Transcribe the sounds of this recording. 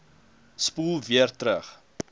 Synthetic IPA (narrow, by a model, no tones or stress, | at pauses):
spuːlˠviərtɾəχ